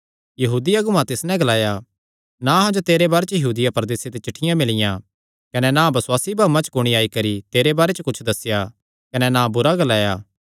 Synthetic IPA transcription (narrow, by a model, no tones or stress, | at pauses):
jɐɦuːd̪ijɐɡʊmãt̪ɪsnɛ̃ɡɐlaːja | nãɦãd͡ʒot̪eːɾebaːɾet͡ʃjɐɦuːd̪ɪjapɐɾd̪eːset̪et͡ʃɐʈʰːɪjãmɪlɪjã | kɐnɛnãːbɐswaːsibʱaːmãt͡ʃkʊɽ̃iaːikɐɾit̪eːɾebaːɾet͡ʃkʊt͡ʃʰd̪ɐsːɪja | kɐnɛnãbʊɾaɡɐlaːjaː